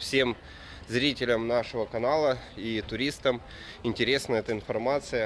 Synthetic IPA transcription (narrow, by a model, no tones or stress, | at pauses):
fsʲe̞m | zɾʲitʲɪlʲəmnaʂɨvəkɐnalˠəit̪ʊɾʲist̪əm | ɪnʲtʲɪɾʲe̞snəjəɛt̪əɪnfɐrmat̪sɨjə